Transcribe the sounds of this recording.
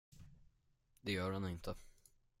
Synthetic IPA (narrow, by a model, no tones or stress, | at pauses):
d̪ɛjœːɾhanɪnt̪ʰə